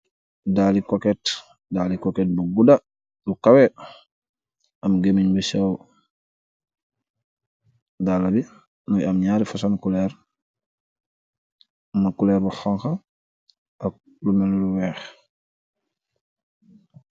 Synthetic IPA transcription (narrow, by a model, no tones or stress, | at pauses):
daːlikokɛt | dalikokɛt̚buɡuda | lukawɛ | ʔɐmɡemiɲbusaw | dalabi | nujamɲaːɾifasankulɛɾ | makulɛːɾbuxɔŋxa | ak̚ | lumɛluluwɛːx